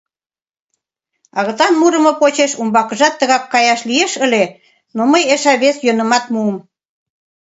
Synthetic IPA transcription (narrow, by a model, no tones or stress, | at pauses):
ɑɣə̆t̪ɑnmuɾə̆mɤpot͡ɕeʃumbɑkə̆ʒɑt̪ːəɣɑkːɑjɑʃlieʃəle | noməjeʃɑβesjønə̆mɑt̪muəm